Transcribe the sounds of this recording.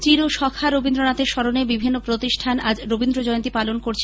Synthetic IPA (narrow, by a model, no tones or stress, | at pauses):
t͡ɕiɾoʃɔkʰaɾobind̪ɾonat̪eɾʃɔɾonebibʱinːopɾot̪iʃʈʰanad͡ʑɾobind̪ɾod͡ʑɔjont̪̬ipalonkoɾt͡ɕʰ